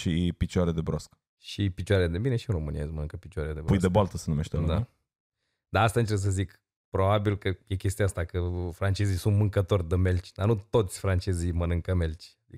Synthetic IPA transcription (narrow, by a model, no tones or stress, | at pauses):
ʃipit͡ʃaɾed̪ebɾosk | ʃipit͡ʃwaɾead̪e̞bineʃiɨnro̞mɨnijasmənɨŋkəpit͡ʃuaɾead̪ebɾpujd̪ebalt̪əsənumeʃt̪ed̪a | d̪aast̪aɨnt͡ʃes̬əzik | pɾo̞babilkəjekʲest̪iaast̪akəfɾant͡ʃe̞zisunt̪mɨŋkət̪o̞rʲd̪əme̞lt͡ʃʲd̪anut̪o̞t̪sʲfɾant͡ʃe̞zijmənɨŋkəme̞lt͡ʃʲad̪ikə